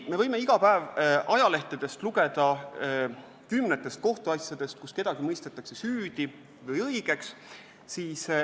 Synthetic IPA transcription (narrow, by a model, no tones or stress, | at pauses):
me̞vɤjme̞iɡ̥ɑpæevɑjɑle̞ht̪ed̪̥e̞st̪luɡe̞d̪̥ɑ | kymːnet̪ːˑe̞st̪̚ko̞ht̪uɑsjɑd̪̥e̞st̪̚kuske̞d̪ɑɡ̥imɤjst̪et̪ːˑɑkse̞syːd̪̥i | vɤjɤjɡ̥e̞ks | siːs